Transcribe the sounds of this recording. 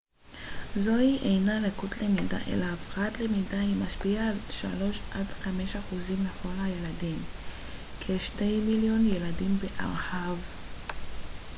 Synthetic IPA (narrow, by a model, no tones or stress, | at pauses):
zo̞iʔejnalekutlemida̰ʔḛlaːfʁatlemidaimaʃpiaːlʃa̰lo̞ʃʔadχame̞ʃaχuzimːeχo̞lhajeladim | kʰeʃte̞jmiljo̞njeladimbe̞ʔa̰ʁhav